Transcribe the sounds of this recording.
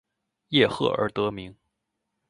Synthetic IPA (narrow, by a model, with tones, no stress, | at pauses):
jɛ˥˧xɤ̰˥˩ə̰˞˧˥t̪ɤ˧˥mi˧˥ŋ